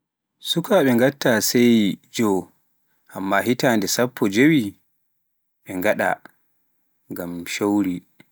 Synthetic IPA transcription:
sukʰaɓɛŋɡatːasɛjd͡ʒɔ | ʔamːaɦitandɛsapʰːɔd͡ʒowi | ɓɛŋɡaɗa̰ | ŋɡamʃowɾi

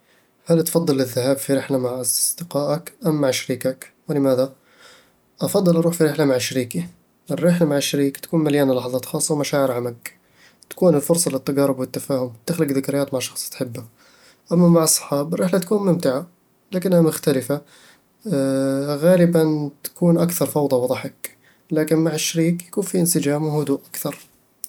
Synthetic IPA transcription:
halt̪fɑd̪ˤːɨlɪðːahaːbfiɾɪħlamaʕʔɑsd̪̥ɪqɑːʔakʔamːaʕʃaɾiːkakwɪlɪmaːða | ʔɑfɑd̪ˤːɑlʔɑɾuːħfiɾɪħlamaʕʃaɾiːki | ʔɪrːɪħlamaʕɪʃːaɾiːkt̪ḁkuːnmaljaːnalɑħɑðˤɑːt̪xɑːsˤːɑwmaʃaːʕɪɾʕamak | t̪ḁkuːnɪlfʊɾsˤɑlɪt̪ːaɡɑɾʊbwɪt̪ːafaːhʊmt̪ɪxlʊɡðɪkɾɪjaːt̪maʕʃɑxsˤt̪ħɪbːa | ʔamːamaʕɑsˤːɑ̥ħɑːbɪrːɪːħlat̪ḁkuːnmʊmt̪ɪʕa | laːkɪnːhamʊxt̪alɪfa | ɣaːlɪbant̪ḁkuːnʔakθɑɾˤfɑwd̪ˤɑwɑd̪ˤɑħɪk | laːkɪnmaʕɪʃːaɾiːkjakuːnfiʔɪnsɪd͡ʒaːmwɪhʊd̪uːʔakθɑɾˤ

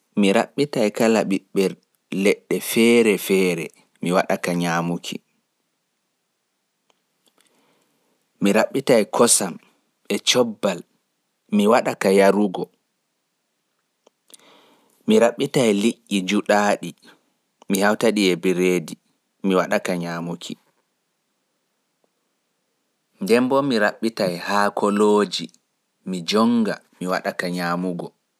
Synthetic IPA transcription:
miɾa̰ɓːitajkalaɓiɓːɛɾ | lɛɗːɛfɛːɾɛfɛːɾɛ | miwaɗakaɲaːmukʰḭ | miɾaɓːitajkʰɔsam | ɛt͡ʃɔbːal | miwaɗakajaɾuɡɔ | miɾaɓːitajliʔːid͡ʒuɗaːɗi | mihawtaɗiɛbiɾeːdi | miwaɗakaɲaːmukʰi | ndɛmbɔmiɾaɓːitajhaːkʰɔloːd͡ʒi | mid͡ʒɔŋɡa̰ | miwa̰ɗakaɲaːmuɡɔ

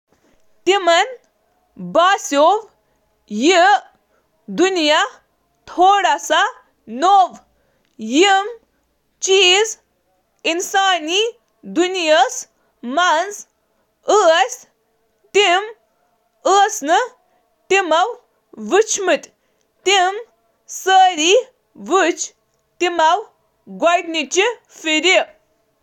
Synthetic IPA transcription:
t̪imɐn | baːsoːʋ | ji | d̪unja | t̪ʰoːɽɐsa | noːʋ | jim | t͡ʃiːz | insaːni | d̪unjɐs | manz | əsʲ | t̪im | əːsnɨ | t̪imaw | ʋɨt͡ʃʰmɨt̪ʲ | t̪im | səːɾi | ʋɨt͡ʃ | t̪imaw | ɡwajɖnit͡ɕi | fiɾi

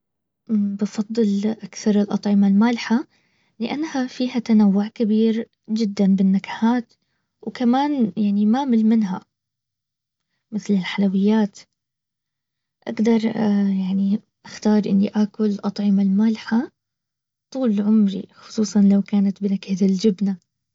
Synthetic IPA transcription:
ʔbɑfɑd̪ˤːɨlʔakθɑɾˤɪlʔɑ̰t̪ˤʕɪmalmaːlɪħa | lɪʔanːhafiːhat̪anawːʊʕkɪbiːɾ | d͡ʒɪd̪ːanbɪnːakḁhaːt̪ | wkamaːnjaʕnimaːmɪlmɪnɦa̰ | mɪθlɪlħalawɪjːaːt̪ | ʔa̰ɡd̪ɑɾˤjaʕni | ʔaxt̪ɑːɾˤʔɪ̰nːiʔakʊllʔɑt̪ˤʕɪmalmaːlɪħa | t̪ˤuːlʕʊmɾḭxʊ̥sˤuːsˤɑnlawkaːnat̪bɪnakat̪ɪld͡ʒɪbna

